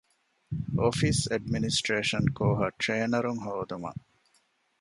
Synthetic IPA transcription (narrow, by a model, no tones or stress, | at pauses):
ʔofisɐɖminisʈɾeːʃɐnkoːɦɐʈɾeːnɐɾuŋɦoːd̪umɐ̰